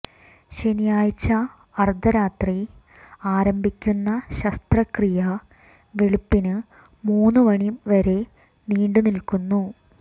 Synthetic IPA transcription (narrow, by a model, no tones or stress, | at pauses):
ɕenijaːjt͡ɕːɐ | ɐrd̪ɐɾaːt̪ri | aːɾɐmbʱikʲːunːɐɕɐst̪rɐkrijɐ | ʋeɭupːinɨ | muːnːɨʋɐɳimʋɐɾe̞ | niːɳɖɨnilkunːu